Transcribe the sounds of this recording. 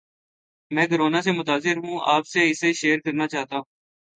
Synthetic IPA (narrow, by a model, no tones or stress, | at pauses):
mɛ̃ːk̬ʊɾoːnaːsemʊt̪aːzɪɾɦũːʔa̰ːpseːɪseʃeːɾkəɾnaːt͡ʃaːɦt̪aːɦũː